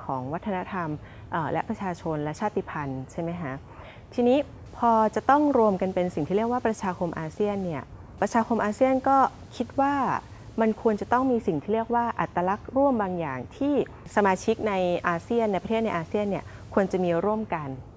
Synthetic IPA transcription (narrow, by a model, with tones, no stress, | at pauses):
kʰɔ̰ː˩˦ŋwa˦˥t̪ʰːa˧na˦˥t̪ʰa˧m | ʔəː˨˩lɛ˦˥pɾa˧t͡ɕʰaː˧t͡ɕʰo˧nlɛ˦˥t͡ɕʰaː˥˩t̪ːi˧˩pʰa˧nt͡ɕʰa˥˩ma˦˥jkʰa˦˥ʔ | t̪ʰiː˧niː˦˥ | pʰɔː˧t͡ɕa˨˩t̪ɔ˥˩ŋɾu˧əmka˧npe˧nsi˨˩ŋʰiː˥˩ɾi˥˩ək̚waː˥pɾa˧t͡ɕʰaː˧kʰo˧mʔaː˧si˥˩ənːi˥˩ɐ | pɾa˧t͡ɕʰaː˧kʰo˧mʔaː˧si˥˩ənkɔː˥˩ | kʰi˦˥t̪̚waː˥˩ | ma˧nkʰu˧ənt͡ɕa˨˩t̪ɔ˥˩ŋmiː˧si˨˩ŋt̪ʰiː˥˩li˥˩ək̚waː˥˩ʔa˨˩t̪ːa˧la˦˥k̚ɾu˥˩əmbaː˧ŋja̰ː˨˩ŋt̪ʰiː˥˩ | sa˧maː˧t͡ɕʰi˦˥k̚na˧jʔaː˧si˥˩ənːa˧jpɾʰeː˥˩t̪̚na˧jʔaː˧si˥˩ənːi˥˩əkʰu˧ənt͡ɕa˨˩miː˧ɾu˥˩əmka˧n